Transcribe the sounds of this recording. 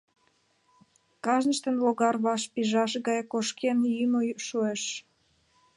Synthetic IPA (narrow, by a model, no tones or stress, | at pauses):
kɑʒnəʃt̪ə̆nloɣɑrβɑʃpiʒɑʃɣɑjkoʃkenjymojʃueʃ